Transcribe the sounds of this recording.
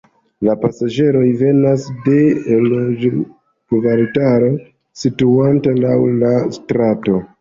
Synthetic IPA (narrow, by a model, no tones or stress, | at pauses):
lapasaʒe̞ɾo̞jve̞nasde̞lod͡ʒ | ɡvaltaɾo | situantalawlastɾato̞